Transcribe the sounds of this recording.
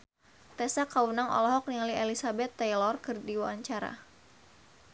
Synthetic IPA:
t̪ɛsakawunaŋʔɔ̰lɔɦɔk̚nialielisabɛt̪ːɛjlɔrkɨrdiwaaɲt͡ʃaɾa̰

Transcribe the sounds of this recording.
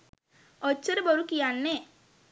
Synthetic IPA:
ɔt͡ʃːəɾeboɾukijanːe

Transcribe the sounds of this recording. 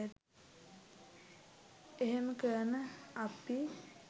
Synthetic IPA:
eɦeməkəənəapi

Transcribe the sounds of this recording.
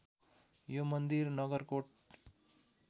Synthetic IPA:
jomʌnd̪iɾnʌɡʌɾkoʈ̚

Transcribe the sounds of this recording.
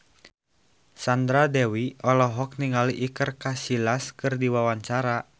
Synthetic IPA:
sand̪ɾadɛwiɔlɔɦɔk̚niŋaliʔikərkasilaskɨrdiwawaɲt͡ʃaɾa

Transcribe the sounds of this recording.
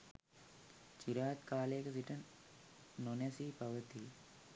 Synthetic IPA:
t͡ʃiɾaːt̪kaːleːkɐsiʈɐnː | onɐsiːpɐʋɐt̪i

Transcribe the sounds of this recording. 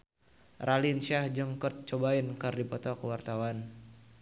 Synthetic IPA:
ralinʃahd͡ʒəŋkərt̪̚t͡ʃɔbainkɨrdipɔt̪ɔkwart̪awan

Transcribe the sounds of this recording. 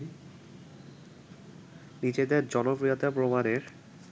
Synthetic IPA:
nid͡ʑed̪eɾd͡ʑɔnopɾijot̪apɾomaɾeɾ

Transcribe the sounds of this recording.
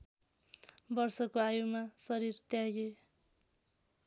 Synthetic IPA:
bʌrsʌkoajumasʌɾirt̪jaɡe

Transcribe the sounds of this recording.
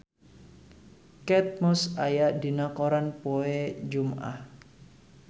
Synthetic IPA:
kɛt̪̚mɔsajaʔd̪i̤nakoɾanpoed͡ʒumʔa̰h

